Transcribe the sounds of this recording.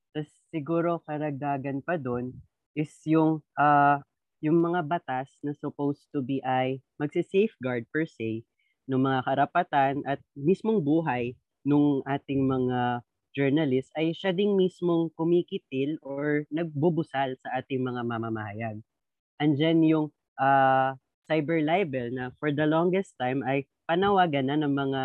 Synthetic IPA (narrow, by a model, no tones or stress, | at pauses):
t̪ɐsːɪɡuːɾo̞kɐɾɐɡ̚d̪aːɡɐnpɐd̪on | ʔɪsjʊŋʔa | jʊŋmɐŋabɐt̪asnɐsʊpowst̪ʊbiʔɐjmɐɡsɪsɛjfɡaɹd̪̚pɛɹsɛj | noŋmɐŋakɐɾɐpɐt̪anʔɐt̪̚mismoŋbuːɦɐj | nʊŋʔaːt̪ɪŋmɐŋa | d͡ʒɛɹnɐlɪst̪ɐjʃad̪ɪŋmismo̞ŋkʊmikɪt̪̚ɪloɹnɐɡ̚bubʊsalsɐʔaːt̪ɪŋmɐŋamamamɐhɐjaɡ̚ | ʔɐnd͡ʒanjʊŋ | ʔaː | sajbɛɹlajbɛlnɐfɔɹd̪ɐloŋɡɛst̪ːajmʔɐj | pɐnɐwaːɡɐnɐnɐŋmɐŋa